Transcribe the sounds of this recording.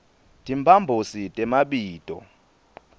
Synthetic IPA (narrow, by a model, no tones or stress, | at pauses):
tʼimbʱambʱositʼɛmaɓiːtʼɔ̰